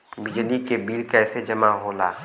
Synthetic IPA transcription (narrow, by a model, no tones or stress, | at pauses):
bɪd͡ʒlikebiːlkɛːsed͡ʒɐmaɦoːlaː